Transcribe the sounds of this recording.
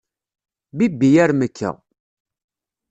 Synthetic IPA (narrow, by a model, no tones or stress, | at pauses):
bibːijæɾməkʰːə̰ʁ